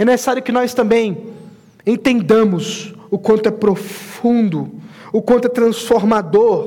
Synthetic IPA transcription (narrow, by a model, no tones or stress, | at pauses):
ɛnese̥saɾjʊkɪnɔst̪ɐ̃mbẽj̃ | ẽnt̪ẽnd̪ɐ̃mʊsʊkwɐ̃nt̪ʊɛpɾofũnd̪ʊʊkwɐ̃t̪ʊɛt̪ɾɐ̃sfoɾmad̪oɾ